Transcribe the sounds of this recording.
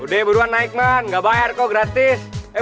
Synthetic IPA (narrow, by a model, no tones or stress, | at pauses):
uɖeːbʱuɾʋanaːikmaːnɡɐbaːjaɾkoɡɾɐt̪ise